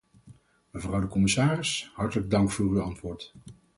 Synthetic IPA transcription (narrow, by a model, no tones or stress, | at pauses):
məvrʌwdəkɔmɪsaːrɪshɑɹtələɡ̚dɑŋkfʊːryɑntʋʊːɹt